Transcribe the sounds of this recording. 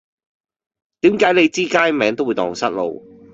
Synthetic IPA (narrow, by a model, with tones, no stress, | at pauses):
t̪iː˨˥mkaː˨˥jne˨˧jt͡siː˥kaː˥jmɛː˨˥ŋt̪o˥wu˨˧jt̪ɔ̰ː˨˩ŋsɐ˥t̚lo̰˨˧w